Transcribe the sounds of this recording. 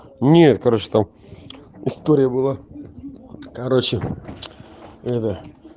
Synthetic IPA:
nʲet̪kaɾot͡ɕɪ̥t̪am | ɪst̪oɾʲɪjəbɨlˠa | kɐɾot͡ɕɪ | ɛt̪ə

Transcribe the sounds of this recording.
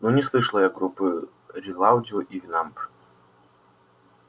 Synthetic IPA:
nunʲɛslˠɨʂlˠɐjɐɡɡɾupɨ | ɾʲilˠawd͡zʲiuʔivʲinamp

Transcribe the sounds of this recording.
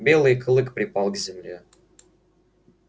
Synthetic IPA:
bʲelˠɨjkɨlˠɨkpɾʲɪpɑlˠɡzʲɪmlʲe

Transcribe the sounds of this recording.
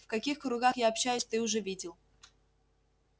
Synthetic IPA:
fkɐkʲixkɾʊɡaxjaɐpɕːæjʊsʲt̪ɨʊʐɛvʲidʲɪlˠ

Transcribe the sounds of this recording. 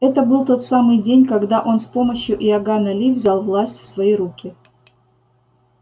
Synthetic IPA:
ɛt̪əbɨlˠt̪o̞t̪samɨjdʲenʲkɐɡd̪aʔo̞nspo̞məɕjʊʔɪɐɡanɐlʲivzʲalˠvlˠasʲtʲfsvɐjiɾukʲɪ

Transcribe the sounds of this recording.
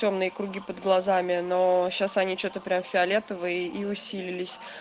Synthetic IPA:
o̞mnɨjəkɾʊɡʲipəd̪ɡlˠɐzamʲɪno̞ɕːasɐnʲit͡ɕot̪əpɾʲamfʲɪɐlʲet̪əvəɪʔiʊsʲilʲɪlʲɪsʲ

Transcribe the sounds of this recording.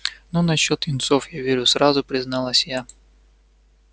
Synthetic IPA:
nɔnɐɕːɔt̪ʲɪnt̪sɔfjavʲeɾʲʊsɾazʊpɾʲɪznɑlˠɐsʲja

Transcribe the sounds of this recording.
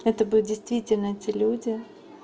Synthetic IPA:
ɛt̪əbɨlʲdʲɪjst̪vʲitʲɪlʲnəɛtʲɪlʲudʲɪ

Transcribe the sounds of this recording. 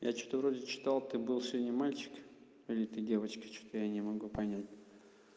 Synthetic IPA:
ja̰t͡ɕot̪əvɾo̞dʲɪt͡ɕɪ̥t̪alˠt̪ɨbɨlˠsʲɪvʲodʲnʲəmalʲt͡ɕɪ̥k | ilʲɪt̪ɨdʲe̞vət͡ɕkə̥t͡ɕo̥t̪əjanʲɪmɐɡupɐnʲætʲ

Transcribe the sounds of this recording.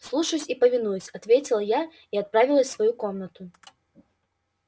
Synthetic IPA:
slˠuʂɐjusʲipɐvʲinujusʲat̪vʲet͡sʲilˠɐja | iat̪̚pɾavʲilˠɐsʲsvajukɔmnɐt̪u

